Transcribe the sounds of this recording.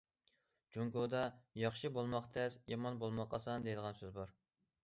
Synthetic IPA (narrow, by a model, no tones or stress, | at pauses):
d͡ʒuŋkod̪ɑjɑχʃibolˠmɑqt̪ʰɛsjɑmɑnbolˠmɑqːɑsɑnd̪ejd̪əʁɑnsøzbɑɾ